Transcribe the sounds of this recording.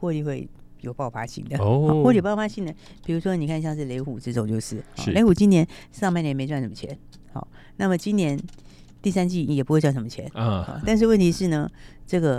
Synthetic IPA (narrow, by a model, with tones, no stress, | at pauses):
xwɔ˥˧t̪i˥˧xwe˥˩ɪjo˨˩ʊpɑ˥˩ʊfa̰˥ɕḭ˥˩ŋd̪ə˩˧ɔ˥˧wɔ˥˧li˥˩o˩pʊfa˧˥ɕi˥˩ŋd̪ə˩ | pi˨˩ɻu˧˥ʂwɔ˥ni˨˩kʰa˥˧n˧ɕjɑ˥˧ŋʂ̬ɻ̩˥˩le˧˥ɪxu˨˩ʈ͡ʂɻ̩˥t͡so˨˩ŋt͡ɕjo˥˧ʊʂɻ̩˥˩ɔ̰˩˧le˧˥xu˨˩t͡ɕi˥njɛ˧˥nʂɑ˥˧mpa˥˩ɪnjɛ˧˥nme˧˥ɪt͡swa˥˩nʂə˧˥mə˧t͡ɕʰjɛ̰˧˥n | xɔ̰˥˩ | na˥˩mə˩t͡ɕi˥njɛ˧˥n | t̪i˥˩sa˥nt͡ɕi˥˩jɛ˨˩pu˧˥xwe˥˧t͡swa˥˩nʂə˧˥mə˧t͡ɕʰjɛ˧˥˦n˧xɑ̰˧˩t̪a˥˧nʂ̬ɻ̩˥˧wə˥˩nt̪ʰi˧˥ʂɻ̩˥˩nə˨ʈ͡ʂɤ˥˩ɡə˩